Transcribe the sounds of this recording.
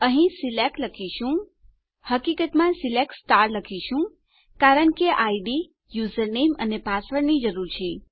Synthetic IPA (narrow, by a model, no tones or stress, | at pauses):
əɦĩsilekləkʰiʃũ | həkikət̪mãsilek̚sʈaɾləkʰiʃũ | kaɾəɳkeʔaiɖi | juzəɾnemənepasəɾnid͡ʒəɾuɾt͡ʃʰe